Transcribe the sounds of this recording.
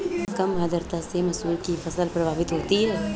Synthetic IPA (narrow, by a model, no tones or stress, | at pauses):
kɐmɦaːd̪əɾt̪asemɐsuːlkifɐsəlpɾɐbʱaːʋɪt̪ɦoːt̪iɦɛː